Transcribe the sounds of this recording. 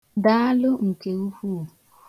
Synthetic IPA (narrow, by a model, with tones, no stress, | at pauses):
da˨˦a˦lʊ˦ŋ̩˨ke˨u˦hu˦˨